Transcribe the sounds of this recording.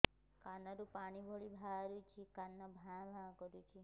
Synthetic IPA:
kanaɾupaɽ̃ibʱoɭibʱaɾut͡ʃʰikanːabʱãbʱakɔɾut͡ʃʰi

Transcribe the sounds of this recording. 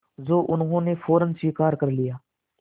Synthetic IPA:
zoːʔʊnɦõːneːfʰoːɾənsiːkaːɾkəɾlɪjaː

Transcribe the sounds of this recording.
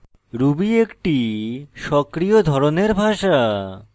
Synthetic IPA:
ɾubiekʈiʃɔkɾijod̪ʱɔɾoneɾbʱaʃa

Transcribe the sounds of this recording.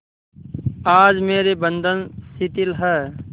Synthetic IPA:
aːd͡ʒmeːɾebənd̪ʱənsit̪ɪlɦɛː

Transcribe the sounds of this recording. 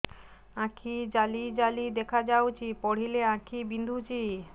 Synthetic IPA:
ãkʰid͡ʑalid͡ʑalid̪ekʰad͡ʑawt͡ɕipɔɽ̤ileãkʰibind̪ʱut͡ɕi

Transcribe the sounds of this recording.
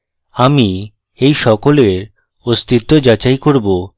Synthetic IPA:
ami | ejʃɔkoleɾ | ost̪ʰit̪ːod͡ʑat͡ɕajkoɾbo

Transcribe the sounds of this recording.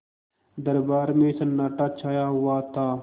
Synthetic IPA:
d̪əɾbaːɾmẽːsənːaːʈaːt͡ʃʰaːjaːɦʊaːt̪aː

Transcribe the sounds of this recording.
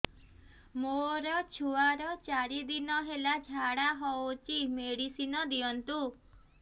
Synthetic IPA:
moɾɔt͡ʃʰuaɾɔt͡ʃaɾid̪inɔɦelad͡ʒʱaɽaɦɔwt͡ʃʰimeɽisinɔd̪iɔnt̪u

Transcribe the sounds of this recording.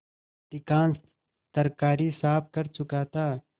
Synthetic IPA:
ʈ̪ɪkaːn | t̪əɾkaːɾisaːp̚ʰkɐɾt͡ʃʊkaːt̪aː

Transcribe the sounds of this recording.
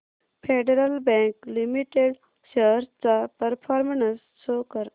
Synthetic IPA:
pʰeɖeɾəlbẽŋklimiʈeɖ | ɕəɾst͡sapəɾpʰaːɾmənəsːokəɾ

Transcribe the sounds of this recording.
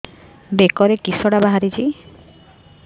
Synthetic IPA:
bekɔɾekisɔɽabaɦaɾit͡ʃʰi

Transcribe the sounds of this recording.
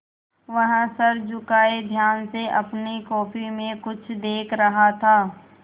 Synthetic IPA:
ʋɐɦsɐɾd͡ʒʊkaːed̪ʱjaːnseʔɐpnikɔːpimẽkʊt͡ʃʰd̪eːkʰɾɐɦat̪ʰaː

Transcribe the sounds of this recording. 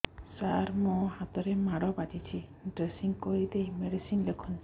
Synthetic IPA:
saɾmũhat̪ɔɾemaɽɔbad̪it͡ʃʰiɖɾesiŋkojd̪eimeɖisinlekʰɔn

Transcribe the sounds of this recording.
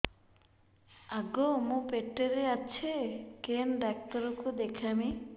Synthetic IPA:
aɡomũpeʈːeɾeat͡ɕʰekenɖak̚t̪aɾokod̪ekʰami

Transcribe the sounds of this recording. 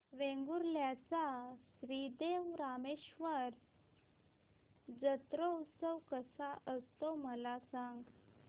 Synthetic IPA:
ʋẽŋɡuɾljat͡sasɾid̪eʋɾameɕʋəɾ | d͡zət̪ɾəusəʋkəsaʔəst̪oməlasãŋɡ

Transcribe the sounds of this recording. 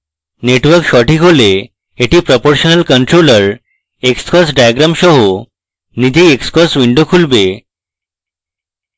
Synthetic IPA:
neʈʋəɾkʃɔʈikole | eʈiːpɾɔpoɾɕənəlkəɳʈɾoləɾ | ekskɔsɖajaɡɾamɕɔɦo | nid͡ʑeekskɔsʋiɳɖokʰulbe

